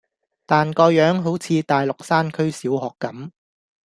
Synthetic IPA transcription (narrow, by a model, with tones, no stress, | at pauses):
t̪aː˨nkɔː˧jœː˨˥ŋɦo˨˥wt͡sʰiː˧t̪aː˨˩jlʊ˨k̚saː˥nkʰɵ˥ɥsiː˨˥wɦɔː˨kːɐ˨˥m